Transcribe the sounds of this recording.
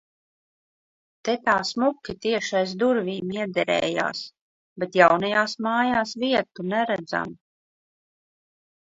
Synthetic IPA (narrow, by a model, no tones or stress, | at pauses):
t̪ɛt̪aːsmukʲit̪iɛʃajs̬d̪uɾvʲiːmiɛd̪ɛɾɛ̰ːja̰ːs | bet̪jawnajaːsmaːjaːsviɛt̪unɛɾæd̪za̰m